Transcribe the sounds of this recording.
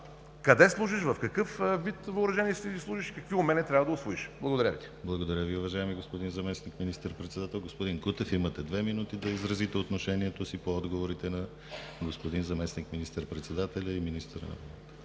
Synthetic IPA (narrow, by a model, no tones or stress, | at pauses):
kɐd̪ɛslˠuʒiʃvɐfkɐkɤfvit̪vɐʊɾɐʒɛniɛst̪id̪islˠuʃiʃkɐkviʊmɛnɛt̪ɾʲavɐd̪ɐʊsvoiʃblˠɐɡod̪ɐɾʲavḭt̪ʲi̥blˠɐɡod̪ɐɾʲəviʊvɐʒaɛmiɡospod̪inzɐmɛsnikminist̪əɾpɾɛt̪sɛd̪at̪ɛlˠɡospod̪inkut̪ɛfimɐt̪ɛd̪vɛminut̪id̪ɐizɾɐzit̪ɛot̪noʃɛniɛt̪osipoɔd̪ɡovoɾit̪ɛnɐ | ɡospod̪inzɐmɛsnikminist̪əɾpɾɛt̪sɛd̪at̪ɛlʲɐiminist̪əɾə̰nɐ̰volˠt̪ə̥